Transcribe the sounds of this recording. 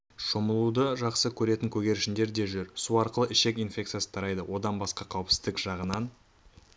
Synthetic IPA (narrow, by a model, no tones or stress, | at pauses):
ʃoməlˠud̪əʒɑqsəkʲʰɵɾe̞t̪ɪŋkʲʰɵɡʲe̞ɾʃɪnd̪e̞ɾd̪e̞ʒʏɾsuɑɾqəlˠəʔɪʃe̞kijnfʲe̞k̚t̪sijasə̥t̪ʰɑɾɑjd̪əwo̞d̪ɑnbɑsqɑqʰɑwəpsɪzd̪ɪkʒ̥ɑʁənɑn